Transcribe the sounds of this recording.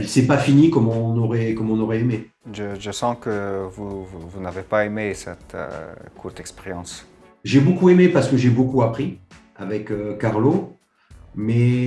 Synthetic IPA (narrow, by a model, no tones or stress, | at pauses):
ɛlsɛpafinikɔmɔ̃nɔʁɛkɔmɔ̃nɔʁɛeme | ʒəʒəsɑ̃kəvuvunavepaemesɛ̰t̪kʰuʁt̪ɛkspeʁjɑ̃s | ʒebokuemepaʁsə̥kəʒebokuapχi | avɛkøkːaʁlo | mɛ